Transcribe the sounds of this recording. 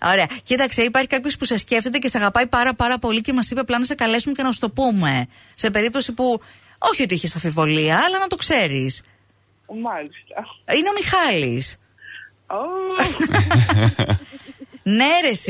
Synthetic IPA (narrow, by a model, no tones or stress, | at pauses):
o̞ɾe̞ɐcid̪ɐkseipɐɾçikɐpço̞spusesce̞ft̪e̞t̪ecesɐɣɐpɐjpɐɾɐpɐɾɐpo̞lice̞mɐsipeɐplɐnɐsekɐle̞sumecenɐust̪o̞pume̞ | se̞pe̞ɾip̚t̪o̞sipu | o̞çio̞t̪̬iiçesɐɱfivo̞liɐːlɐnɐt̪o̞kse̞ɾis | mɐlist̪ɐineo̞mixɐlḭs | o | neɾes